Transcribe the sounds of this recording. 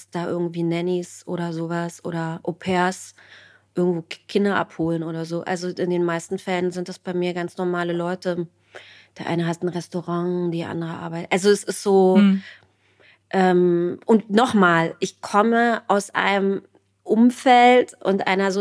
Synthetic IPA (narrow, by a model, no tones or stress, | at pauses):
sd̥aːʔɪɐɡŋ̩tv̥iːnɛnisʔo̰ːɾɐzoːvasʔo̰ːɾɐʔopʰɛːɐs | ʔɪɐɡŋ̩tv̥oːkʰɪndɐʔa̰phoːlənʔoːɾɐzoːʔa̰lzoʔɪndeːnmaɪstn̩fɛlənzɪntd̥asb̥aɪmiːɐɡant͡snɔɐmaːləlɔʏtə | d̥eɛːɐʔa̰ɪnəɦatn̩ʁɛstoʁaŋdiːʔa̰ndəʁəʔa̰ːɐbaɪtʔalzoɛsɪstz̥oː | ʔɛːmʔʊntnɔχmaːlʔɪçkʰɔməʔaʊsʔa̰ɪnəm | ʔʊmfɛltʔʊntʔa̰ɪnɐzo